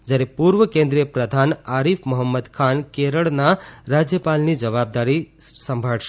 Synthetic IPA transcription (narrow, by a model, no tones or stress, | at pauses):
d͡ʒəɾepuɾwəkẽnd̪ɾijəpɾəd̪ʱanaɾipʰmɔɦəmːəd̪kʰankeɾəɽnaɾad͡zjəpalnid͡ʒəβab̚d̪aɾisəmbʱəɽt͡ʃʰ